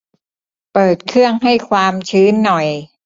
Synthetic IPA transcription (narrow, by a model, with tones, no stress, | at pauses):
pɤː˨˩t̪̚kʰɯ˥˩əŋɦa˥˩jkʰwaː˧mt͡ɕʰɯː˦˥nːɔ˨˩j